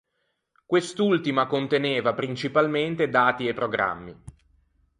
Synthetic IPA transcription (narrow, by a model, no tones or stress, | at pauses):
kwest̪ult̪imakont̪eneːvapɾint͡ʃipalment̪ed̪aːt̪iepːɾoɡɾa̰mːi